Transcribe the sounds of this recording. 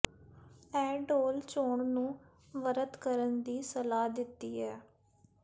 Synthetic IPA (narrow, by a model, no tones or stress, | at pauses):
ɛːɖoːlt͡ʃoːɳnũː | ʋəɾət̪kəɾənd̪iːsəlaːd̪ɪt̪ːiːɛː